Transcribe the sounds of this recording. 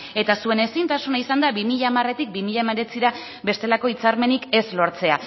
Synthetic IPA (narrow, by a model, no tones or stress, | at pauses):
e̞t̪asue̞ne̞sint̪asunaisand̪abimiʎaːmare̞t̪ik̚bimiʎameɾe̞t͡siɾa | be̞st̪e̞lako̞it͡saɾme̞nike̞zlo̞ɾt͡se̞a